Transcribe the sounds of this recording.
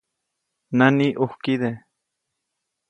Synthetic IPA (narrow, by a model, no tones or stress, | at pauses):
naniʔuhkiðe